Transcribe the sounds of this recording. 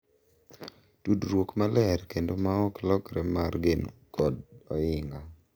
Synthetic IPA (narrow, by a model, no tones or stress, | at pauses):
tudɾwokmalɛɾkendomaɔklɔkɾɛmarɡenokɔdɔɪŋɡa